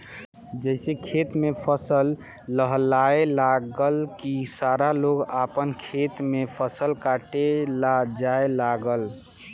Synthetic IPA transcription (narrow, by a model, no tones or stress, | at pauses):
d͡ʒəɪsekʰet̪mepʰəsəlː | əɦlaelaɡəlkisaɾaloɡapənkʰet̪mepʰəsəlkaʈelad͡ʒaelaɡəl